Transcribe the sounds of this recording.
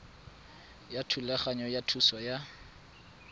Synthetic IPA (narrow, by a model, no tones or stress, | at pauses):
jatʰulɛχaɲɔjatʰusɔja